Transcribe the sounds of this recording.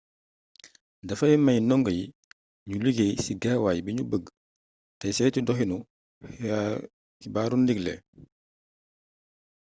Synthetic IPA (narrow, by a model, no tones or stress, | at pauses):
dɐfɐjmɐjnɔŋɡəji | ɲuliɡejsiɡaːwaːjbiɲubəɡ | tɐjsɛtidɔɦinu | kibaɾundiɡlɛ̰